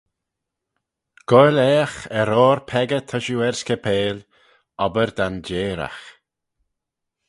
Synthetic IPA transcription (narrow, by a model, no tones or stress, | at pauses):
ɡ̥ɔjlɛːxɛɾɔːɾpʰɛɡət̪ʰəʃuɛɹskəpʰeːl | ɔbəɾd̪and͡ʒeːɾa̰x